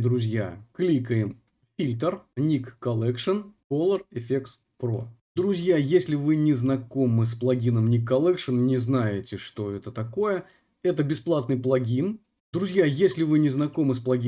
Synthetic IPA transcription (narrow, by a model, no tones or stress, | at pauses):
d̪ɾʊzʲja̰klʲikəɪm | fʲilʲt̪ərnʲikːɐlʲˠɛkʂənkolˠərɪfʲeks | pɾo̰d̪ɾʊzʲjajesʲlʲɪvɨnʲɪznɐko̞mɨsplˠɐɡʲinəmnʲikːɐlˠɛkʂənnʲɪznajɪtʲɪʂt̪o̞ɛt̪ət̪ɐko̞jə | ɛt̪əbʲɪsplˠat̪nɨjplˠɐɡʲin | d̪ɾʊzʲjajesʲlʲɪvɨnʲɪznɐko̞mɨsplˠɐɡʲi